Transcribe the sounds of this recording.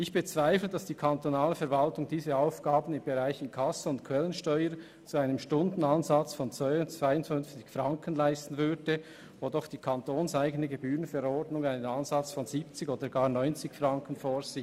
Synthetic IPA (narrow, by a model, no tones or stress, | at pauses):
ɪçb̥ət͡sv̥aɪfləd̥ɑsd̥iːkʰantonaːləfɛɾvɑltʊŋdiːzəaʊfɡ̥aːbən̩ɪmbeʁaɪçɪnkʰɑsəʊntkʰwɛlənʃtɔʏəɾ | t͡suaɪnəmʃtʊndn̩ɑnzɑt͡sfɔnt͡svœʏʊnt͡sv̥aɪʊntfʏnft͡sɪçfʁɑŋkən̩laɪstn̩vʏɾdə | vodɔχd̥iːkʰɑntoːnsaɪɡənəɡebyːʁənfɛɾɔrdnʊŋaɪnənɑnzɑt͡sfɔnziːp̚t͡sɪçoːdəɡaːʁnɔʏnt͡sɪçfʁɑŋkənfoːz̥i